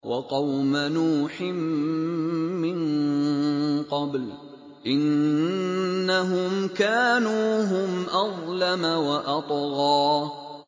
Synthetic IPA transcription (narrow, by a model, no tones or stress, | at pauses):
wʔɑqɑwmanuːħɪm | ɪn | qɑbl | ʔɪn | aɦʊmkaːnuːɦʊmʔɑðˤlamawaʔɑt̪ˤɣɑː